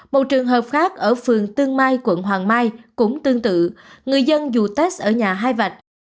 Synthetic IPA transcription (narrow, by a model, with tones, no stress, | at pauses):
mo˨˩t̚t͡ɕɨ˨˩əŋɦəː˨˩p̚xaː˦˥k̚ʔəː˧˩fɨ˨˩əŋt̪ɨ˧əŋmaː˧jkwə˧˩nɦwaː˨˩ŋmaː˧jkʊ̰˧˥ŋ͡mt̪ɨ˧əŋt̪ɨ̰˧˨ŋɨ˨˩əjzə˧nzu˨˩t̪e˦˥s̚ʔəː˧˩ɲaː˨˩ɦaː˧jva˨˩k̚